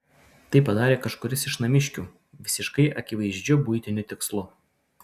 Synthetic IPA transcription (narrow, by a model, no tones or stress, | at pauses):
t̪ɐɪpɐd̪ɑːɾʲeːkɐʃkʊɾʲɪsɪʃnɐmʲɪʃʲkʲuː | ʋʲɪsʲɪʃkɐɪʔɐkʲɪʋɐɪʒʲd͡ʒʲʊbʊɪt̪ʲɪnʲʊt̪ʲɪkslˠʊ